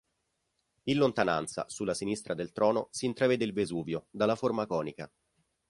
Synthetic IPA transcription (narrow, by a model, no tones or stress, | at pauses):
inlont̪ana̰nt̪sa̰sulːasinist̪ɾad̪elt̪ɾɔːnosiːnt̪ɾaveːd̪eilvezuːvjod̪alːaformakɔːnika̰